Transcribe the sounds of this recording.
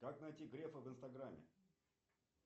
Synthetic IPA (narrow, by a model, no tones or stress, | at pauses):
kaknɐjtʲiɡɾʲefəvɨnst̪ɐɡɾamʲːɪ̰